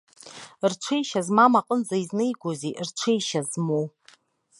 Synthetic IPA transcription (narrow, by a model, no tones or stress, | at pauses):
rʈ͡ʂʷʰejʃazmamaqʼənd͡zaiznejɡʷozirʈ͡ʂʷʰejʃazmo